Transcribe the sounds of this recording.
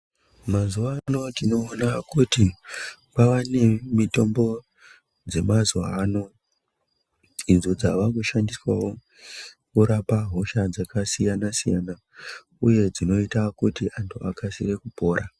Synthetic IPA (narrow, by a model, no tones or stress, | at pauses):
mazuʋaːno̞d͡zino̞ːnakutipaʋane̞mito̞mbo̞ | d͡ze̞mazuʋa̰ːno̞ | inzod͡zaʋakuʃandiswawo | kuɾapaɦo̞ʃad͡zakasijanasija̰na | uje̞d͡zino̞itakutiʔantʰuakasire̞kupo̞ːɾa